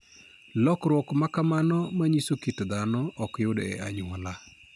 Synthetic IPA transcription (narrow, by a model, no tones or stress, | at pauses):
lɔkɾwɔkmakamanɔmaɲisokitd̪anɔʔɔkjʊdɛ̰aɲʊwɔla